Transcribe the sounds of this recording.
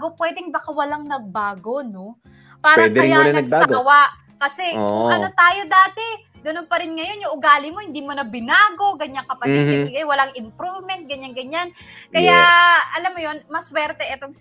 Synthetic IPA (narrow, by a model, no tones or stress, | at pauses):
ɡopwɛːd̪ɪŋbɐkawɐlaŋnɐɡ̚baːɡono̞ | paːɾwɐɛd̪ɛɐɾɪjaɐlanɐɡ̚basɐɡoɐwaʔ | kɐsɛkʊŋʔɐnot̪aːjo̞d̪aːt̪ɛ | ɡɐno̞npɐɾɪnŋɐjo̞njʊŋʔʊɡaːlɪmo̞hɪnd̪iːmonɐbɪnaːɡo̞ɡɐɲaŋkɐpɐidɐɪɡwɐlaŋɪmpɾuvmɛnt̪̚ɡɐɲaŋɡɐɲan | kɐjaɐlamːojo̞nmɐswɛɾt̪ɛʔɛt̪oŋ